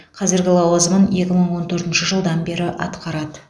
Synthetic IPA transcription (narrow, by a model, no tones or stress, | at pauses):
qʰɑzɪɾɡʲɪlˠɑwɑzəmənje̞kʲɪməɴwo̞nt̪ʰɵɾt̪ɪnʃəʒəlˠd̪ɑnbe̞ɾɪʔɑ̰t̪qɑɾɑd̪ə